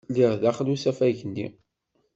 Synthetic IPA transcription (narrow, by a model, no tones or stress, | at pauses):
liɾðaχlusæfæʝənːḭ